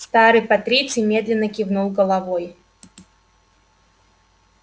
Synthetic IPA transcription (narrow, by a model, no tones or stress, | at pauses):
st̪aɾɨjpɐt̪ɾʲit̪sɨmʲe̞d̪lʲɪnːəkʲɪvnulˠɡəlˠɐvoj